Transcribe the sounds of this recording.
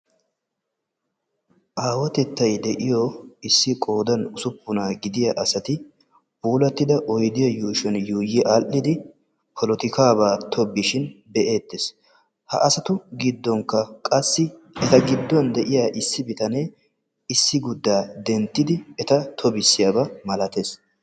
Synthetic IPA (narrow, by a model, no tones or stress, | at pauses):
ʔaːwɐt̪ɛt̪ːɐjd̪ɛʔɪjɔɪsːɪkʼo̞ːd̪ɐnʊsʊpːʊnaːɡɪd̪ɪjɐʔɐsɐt̪ɪ | buːlɐt̪ːɪd̪ɐʔɔjd̪ɪjɐjuːʃɛnjuːjːɪʔaʔːɪd̪ɪ | pʰɔlɔt̪ɪkaːbaːt̪ʰɔbːɪʃɪnbɛʔe̞ːt̪ːes | hɐ̰ʔɐsɐt̪ʊɡɪd̪ːɔŋkːɐkʼɐsːɪ | ɛt̪ɐɡɪd̪ːʊwɐnd̪ɛʔɪjaːʔɪsːɪbɪt̪ɐne | ɪsːɪɡʊd̪ːaːd̪ɛnt̪ːɪd̪ɪɛt̪ɐt̪ʰɔbɪsːɪjaːbɐmɐlɐt̪eːs